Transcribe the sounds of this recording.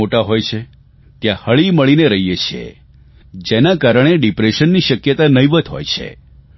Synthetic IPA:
oʈaɦojt͡ʃʰe | t̪jãhəɭiməɭineɾəɦijet͡ʃʰḛ | d͡ʒenakaɾəɳ̃eɖipɾeʃənːiʃəkjət̪anəjʋət̪ɦo̰jt͡ʃʰḛ

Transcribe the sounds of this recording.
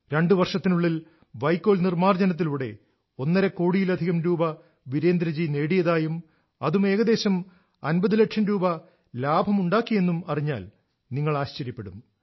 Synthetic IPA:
ɾe̞ɳɖɨʋɐrʂɐt̪ːinuɭːil | ʋɐjkːo̞ːlnirmaːrd͡ʑenɐt̪̬ːiluːɽe̞̰ | o̞nːɐɾɐkːo̞ːɽijilɐd̪ʱiɣɐmɾuːbɐ | ʋiɾe̞ːnd̪ɾɐd͡ʑine̞ːɽijɐðaːjum | ɐðume̞ːɣɐd̪e̞ːɕɐm | ɐnbɐðile̞ʈʂɐmɾuːbɐ | laːbʱɐmuɳɖaːkːijenːumɐriɲːa̰ːl | niŋːɐɭaːɕt͡ɕɐɾjɐpːe̞ɽum

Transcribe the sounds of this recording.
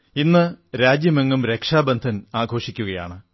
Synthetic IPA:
inːɨɾaːd͡ʑjɐmeŋːumɾe̞kʂaːbɐnd̪ʱɐnaːɡʱo̞ːʂikʲːuɣɐja̰ːɳɨ

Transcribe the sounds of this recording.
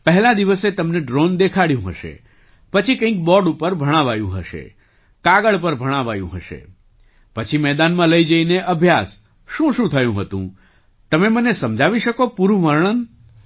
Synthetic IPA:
pəɦɛlãd̪iʋəset̪əmneɖɾond̪ekʰaɽjũɦə̰ʃḛ | pət͡ʃʰikə̃ĩk̚bɔɖupəɾbʱəɽ̃aʋajṵ̃ɦəʃḛ | kaɡəɭpəɾbʱəɽ̃aʋajṵ̃ɦəʃḛ | pət͡ʃʰimɛd̪anmãləid͡ʒəineʔəbʱjas | ʃũʃũt̪ʰəjũɦət̪ṵ̃ | t̪əmemənesəmd͡ʒʱaʋiʃəkopuɾũʋəɾɳ̃ən

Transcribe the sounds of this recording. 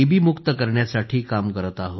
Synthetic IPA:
ibʱiːmukt̪əkəɾɳjasaʈʰiːkamkəɾət̪aɦo

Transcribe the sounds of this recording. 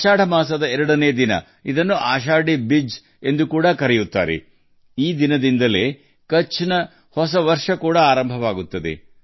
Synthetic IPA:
ʃaːɽɐmaːs̬ɐd̪ɐɛɾɐɽɐneːjɐd̪inɐ̰ | id̪ɐnːuʔaːʃaːɖibid͡ʒ | e̞nd̪ukuːɽɐkɐɾɛjut̪ːa̰ːɾḛ | iːd̪inɐd̪ind̪ɐleː | kɐt͡ʃːinɐ | hɔsɐʋɐɾʂɐkuːɽɐaːɾɐmbʱɐʋaːɡut̪ːɐd̪ḛ

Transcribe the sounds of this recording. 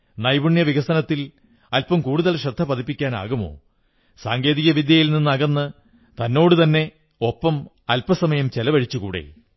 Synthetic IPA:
nɐjbuɳjɐʋiɣɐsɐnɐt̪ːil | ɐlpɐmkuːɽuðɐlɕɐd̪ʱːɐpɐðipːikʲːaːna̰ːɣumo̞̰ː | saːŋɡe̞ːðiɣɐʋid̪jɐjilninːɐɣɐnːɨ | t̪ɐnːo̞ːɽut̪ɐnːe̞ | o̞pːɐm | ɐlpɐsɐmɐjɐmt͡ɕelɐʋɐɻit͡ɕːukuːɽḛ

